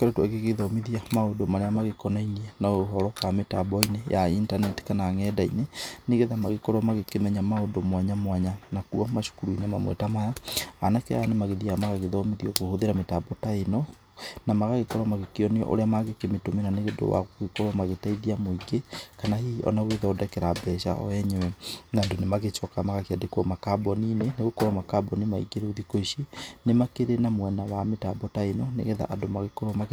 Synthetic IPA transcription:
keɾetwaɣeɣeðɔmiðiamaodomaɾeamaɣekɔnaiɲenaoɦɔɾɔkametabɔinejaintanɛti̥kanaŋɛdaineneɣeðamaɣekɔɾwɔmaɣekemɛɲamaondomwaɲamwaɲanakuɔmaʃu̥kuɾuinemamwḛtamajaanakɛ̰anemaɣeðiamaɣaɣeðɔmiðiɔkohoðeɾametabɔtaenɔ | namaɣaɣekɔɾɔmaɣekeɔneɔ̰ʔo̰ɾeamaɣekemetomenaneɣedo̰wa̰ɣoɣekɔɾwɔmaɣetaiðiamoiɡekanahiɔ̰naueðɔodɛkɛɾabɛʃa̰ɔ̰ɛɲɛwɛnandonemaɣet͡ʃwɔkamaɣakeadekuɔmakabɔnineneɣokɔɾɔmakabɔnimaḭɡeɾeuðikoiʃinemakeɾenamwɛnawametabɔtaenɔnḛɣɛða̰ʔadomaɣekɔɾɔma

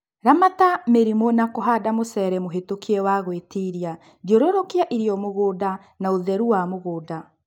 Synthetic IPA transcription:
ɾamatameɾimonakoɦadamosɛɾɛmoɦetokʰiɛwaɣwetiɾia | djoɾoɾokiaʔiɾiɔmoɣoːda | naoðɛɾuwamoɣoːda

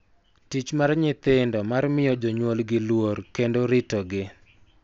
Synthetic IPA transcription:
tit͡ʃmarɲɪt̪ɪndɔmarmɪjɔd͡ʒɔɲwolɡɪlworkendoɾɪtɔɡɪ

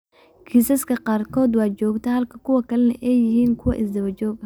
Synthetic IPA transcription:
kʰiːsɐskʰɐqɑːrkʰɔːd̪wɑːt͡ʃɔːɡt̪ʰɛhɐlkʰɐkʰʊwɐkʰɐlɐnɐʔɛjːɪɦiːŋkʰʊwɐʔɪsd̪ɐβɐt͡ʃɔːɡɐ

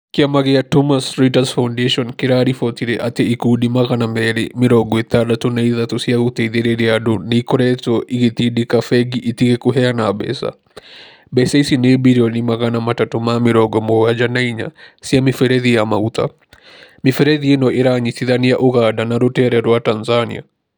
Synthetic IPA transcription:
kiamaɣeatɔmasɾitasfawndeʃɔnkeɾaɾifɔtiɾeʔateikudimaɣanamɛɾemɪɾɔɡɔet̪adatonaiðatosiaɣut̪ɛiðeɾeɾeadoneikɔɾɛtɔʔiɣet̪iɗekafɛɡiʔit̪iɣekoɦɛanabɛ̰sa̰ | bɛseisinebiɾiɔnimaɣanamatatomamɪɾɔɡɔmoɣad͡ʒanaiɲa̰siamɪfɛɾɛðijamaut̪a̰ | mɪfɛɾɛðienɔʔeɾaɲiθiðanijaʔoɣadanaɾotɛɾɛɾwatanzanḭa̰

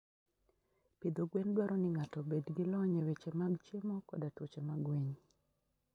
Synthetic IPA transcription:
pid̪oɡwendwaɾɔnɪŋatɔbedɡɪlɔɲewet͡ʃemaɡt͡ʃemɔkɔdatwot͡ʃemaɡweɲ

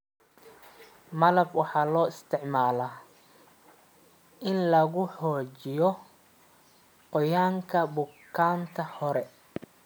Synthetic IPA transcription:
mɐlɐbwɑħɑːlɔːɪst̪ʰɪʕmaːlaː | ʔɪnlɐɣʊħɔːt͡ʃɪjɔ | qɔjaːŋkʰɐbʊkʰːaːnt̪ʰɐhɔɾɛ

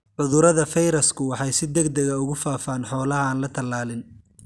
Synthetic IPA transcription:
ʕʊðʊɾɐðɐfɛjɾɐskʰʊwɑħɑjsɪd̪ɐɡd̪ɐɣɐʊɣʊfaːfaːnħɔːlɐɦːnlɐt̪ʰɐlːaːlɪn

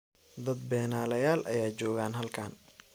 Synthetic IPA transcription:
d̪ɐd̪̚bɛːnaːlɐjaːlʔɐ̰jaːt͡ʃɔːɣaːnɦɐlkʰaːn

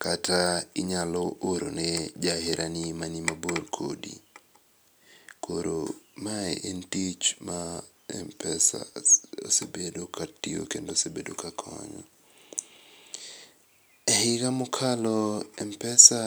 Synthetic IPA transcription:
katʰaɪɲalɔʔoɾo̰nɛd͡ʒaɦeɾʔanimanimaborkʰo̰dḭ | kʰoɾomaɛʔentit͡ʃma | ɛ̰mpɛsa̰o̰sebedokʰatio̰kendosebedokakʰɔ̰ɲɔ̰ | ɛhɪɡamʊkʰalɔɛmpɛsa

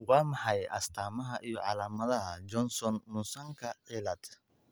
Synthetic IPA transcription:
wɑːmɑħɑjʔɐ̰st̪ʰaːmɐɦɐʔijɔʕɑ̰laːmɐðɐɦɐd͡ʒɔnsɔnːʊsɐŋkʰɐʕiːlɐd̪̥

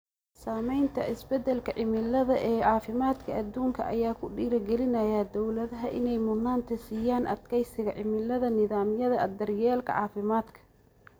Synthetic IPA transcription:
saːmɛjnt̪ʰɐʔɪsbɛd̪ɛlkʰɐʕɪmɪlɐðɐʔɛːʕɑːfɪmaːd̪kʰɐʔɐd̪uːŋkʰɐ̰ʔɐ̰jaːkʰʊɖiːɾɐɡɛlɪnɐjɐd̪ɔwlɐðɐɦɐʔɪ̰nɛjmʊnːaːnt̪ʰɐsiːjaːnʔɐ̰d̪kʰɛjsɪɣɐʕɪmɪlɐðɐnɪðaːmjɐðɐɐd̪ɐrjɛːlkʰɐ̰ʕɑ̰ːfɪmaːd̪kʰɐ̥

